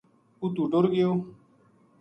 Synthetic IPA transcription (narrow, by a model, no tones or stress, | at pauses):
ut̪uːɖoɾɡɪjoː